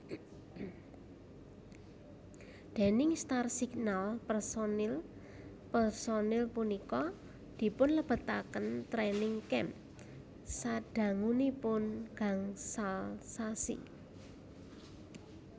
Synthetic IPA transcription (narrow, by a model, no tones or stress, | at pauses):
d̪̥e̤nɪŋst̪arsiɡnalpərsonl | pərsonɪlpunikɔ | d̪̥i̤pʊnləb̥ə̤t̪akənt̪ɾɛnɪŋkɛm | saɖ̥a̤ŋunipʊnɡ̥aŋsalsasḭ